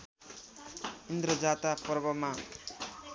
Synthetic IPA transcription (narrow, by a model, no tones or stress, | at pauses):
ind̪ɾʌd͡zat̪apʌrbʌma